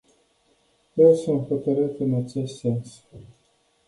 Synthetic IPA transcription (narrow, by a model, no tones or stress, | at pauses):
jesumxot̪əɾɨt̪ɨnat͡ʃe̞st̪se̞ns